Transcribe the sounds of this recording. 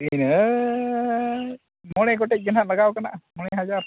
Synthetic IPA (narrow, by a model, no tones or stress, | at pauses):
inə | mɔɽ̃ɛɡɔʈɛc̚ˀɡənɦaʔləɡawkanaʔmɔɽɛɦad͡ʒaɾ